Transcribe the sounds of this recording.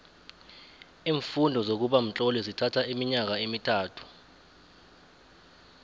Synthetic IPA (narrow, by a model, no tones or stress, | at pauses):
iːɱfundʱɔzok̬uɓam̩t͡ɬʼɔlizitʰatʰaimiɲak̬aemitʰaːtʰu̥